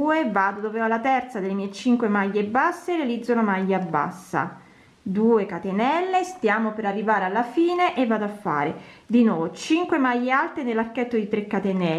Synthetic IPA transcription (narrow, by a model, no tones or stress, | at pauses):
uːevaːd̪od̪oːveɔalːat̪ɛrt̪sad̪elːemiɛt͡ʃiŋkwemaʎːebasːeɾealid̪zːolamajːabːa̰sːa̰ | d̪uːekat̪enɛlːest̪jaːmopeɾarːivaːɾealːafiːneʔevːaːd̪oafːa̰ːɾed̪inɔt͡ʃiŋkwemajːealt̪enelːarkɛt̪ːod̪it̪ɾekːat̪enɛ